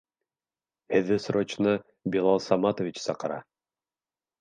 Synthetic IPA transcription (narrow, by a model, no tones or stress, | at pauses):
hɘ̆ðːɘsɾot͡ɕnɤ | bilˠɑlˠsɑmɑt̪ovʲit͡ɕsɑqɤ̆ɾɑ̰